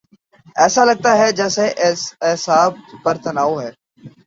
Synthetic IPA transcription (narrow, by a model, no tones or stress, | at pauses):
ɛːsaːləɡ̚t̪aːɦɛːd͡ʒɛːseːʔɪsaːb̚ːəɾt̪ənaːoːɦɛː